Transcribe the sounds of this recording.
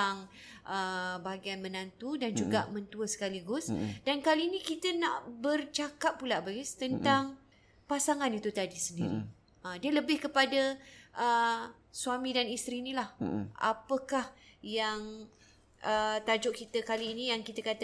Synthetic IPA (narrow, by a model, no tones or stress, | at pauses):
aŋʔəbaɦaɡianmənant̪udand͡ʒuɡaʔmənt̪uəsə̥kaliɡʊsdankaliːnikit̪ənaʔbərt͡ʃakap̚pulaʔbaist̪ənt̪aŋ | pasaŋanit̪ut̪adisəndiɾḭ | ədiələbɪhkəpadaʔə | suamĩdanist̪ɾiːnilahʔa̰pəkahjaŋ | ʔət̪ad͡ʒʊʔkit̪əkaliːnijaŋkit̪əkat̪